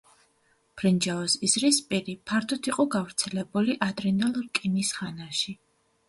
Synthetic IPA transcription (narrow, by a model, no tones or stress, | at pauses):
pʰɾind͡ʒaɔsizɾispʼiɾipʰaɾt̪ʰɔt̪ʰiqʼɔɡavɾt̪sʰɛlɛbuliʔad̪ɾɛnalˠɾkʼinisχanaʃi